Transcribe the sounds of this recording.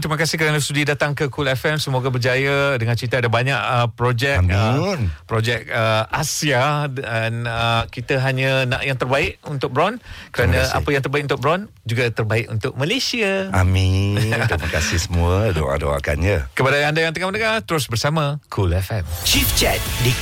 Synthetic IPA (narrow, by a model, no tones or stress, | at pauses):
t̪ɾiməkasɪhkəɾanlst̪udidat̪aŋkəkulɛfɛmsəmoɡabərd͡ʒajadəŋãnt͡ʃit̪aadabaɲaʔəpɾod͡ʒɛkmnpɾod͡ʒɛk̚əasiaanəkit̪əɦaɲanaʔjaŋt̪ərbaɪʔunt̪ʊk̚bəɾɔnkəɾanãa̰pajaŋt̪ərbaik̚ʔunt̪ʊkbəɾɔn | d͡ʒuɡat̪ərbaɪʔunt̪ʊk̚malesiaamiɾiməkasɪhsəmuədo̰a̰do̰a̰ka̰nɲakəpadaandajaŋt̪əkamənəŋat̪əɾʊsbərsamãkʰulɛfɛmt͡ʃift͡ʃɛt̪̚di